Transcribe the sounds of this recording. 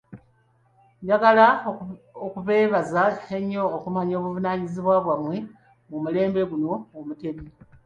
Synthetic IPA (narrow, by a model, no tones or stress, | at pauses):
jaɡala | okuβe̞ːβazaeɲːo̞ːkumaɲo̞ːβuvunaːɲiziβwaβwamwe̞ | mumule̞ːmbe̞ɡuno̞ːmute̞mie